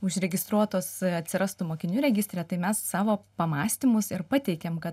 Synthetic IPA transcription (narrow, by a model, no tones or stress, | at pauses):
ʊʃʲɾʲɛɡʲɪst̪ɾuɔt̪oːsɐt̪ʲsʲɪɾɐst̪ʊmoːkʲɪnʲuːɾʲɛɡʲɪsʲt̪ʲɾʲɛt̪ɐɪmʲɛsːɑːʋoːpɐmɑːsʲt̪ʲɪmʊsɪɾpɑt̪ʲɛɪkʲɛmkɐt